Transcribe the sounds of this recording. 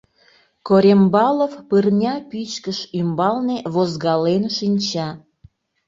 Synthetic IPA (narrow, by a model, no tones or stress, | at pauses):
koɾʲembɑlofpɨrnʲɑpit͡ɕkəʃymbɑlneβozɣɑlenʃinʲt͡ɕɑ